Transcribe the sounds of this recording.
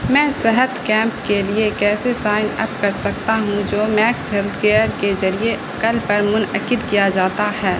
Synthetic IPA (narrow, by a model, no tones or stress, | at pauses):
mɛ̃ːsɛɦət̪kɛ̃ːmpkeliekɛːsesaːɪnɛ̰ːp̚kɐɾsɐk̚t̪aɦũd͡ʒoːmɛːksɦɛlt̪ʰkeːəɾkezɐɾieʔɐkəlpɐɾmʊnəkɪd̪kijad͡ʒaːt̪ahɛː